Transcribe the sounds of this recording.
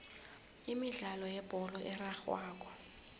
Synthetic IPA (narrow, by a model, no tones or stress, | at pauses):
imiɮalɔjɛb̥ʱɔlɔʔɛraxwaːk̬ʼɔ̥